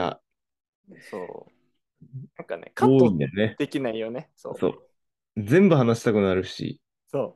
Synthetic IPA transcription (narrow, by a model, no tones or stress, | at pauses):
a̰ | so̰ː | nãŋkanḛkʰaoːĩnd̪eoned̪̥ekʲinaijoneso̰so̞̰ː | d͡zẽ̞mbɯ̟ɦanaɕi̥t̪akɯ̟naɾɯ̟ɕḭ | soː